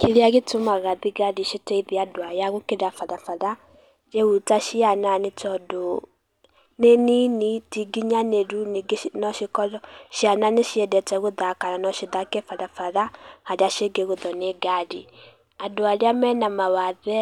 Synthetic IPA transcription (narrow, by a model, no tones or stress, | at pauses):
keɾeaɣetomaɣaðiɡaɾiʃetɛiðeadoajaɣokeɾafaðafaɾa | d͡ʒeutaʃiananetɔdo | neninitiɡiɲaneɾuniɡenɔʃikɔɾɔʃiananeʃiɛdɛtɛɣoðakananɔʃeðakɛfaðafaɾahaɾeaʃeɡeɣoðɔneɡaɾi | adoaɾeamɛnamawaðɛ